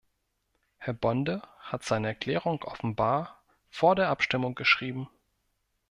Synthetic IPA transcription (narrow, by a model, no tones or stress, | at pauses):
hɛɐbɔndəhatz̥aɪnəɛɐkl̥ɛːʁ̞ʊŋʔɔ̰fn̩baːɐ | foːɐdeːɐʔapʃtɪmʊŋɡ̥əʃʁ̥iːbm̩